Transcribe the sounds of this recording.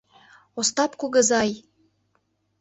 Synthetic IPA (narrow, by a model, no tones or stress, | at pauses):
ost̪ɑpkuɣə̆zɑj